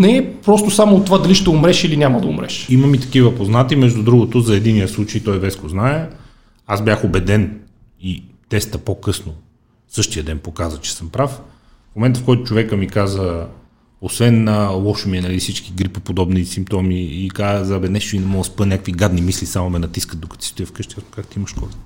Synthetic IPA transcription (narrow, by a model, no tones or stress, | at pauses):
nɛpɾɔst̪ʊsamoːt̪ːovad̪ɐliʃt̪ɛʊmɾɛʃilinʲamɐd̪ɐṵmɾɛ̰ʃiməmit̪ɐ̥kivəpoznat̪imɛʒd̪ud̪ɾuɡot̪ʊzɐɛd̪inːijəslˠut͡ʃəjt̪ɔjvɛskoznaɛ | azbʲjaxobɛd̪ɛn | it̪ɛst̪əpokɤsno | sɤʃt̪ijəd̪ɛnpokazət͡ʃɛ̥sɤmpɾaf | fmomɛnt̪əfkɔjt̪ʊt͡ʃovɛkəmikazə | osvɛnəlˠɔʃomiɛnɐlisit͡ʃkiɡɾipəpod̪ɔbnisimp̚t̪ɔmiːkazɐbɛnɛʃinɛmɔɡəspənʲakəkviɡad̪nimislisamomɛnɐt̪iskət̪d̪okə̥t̪ist̪uəfkɤʃt̪ɛjasno̥kakt̪iiməʃkɔzə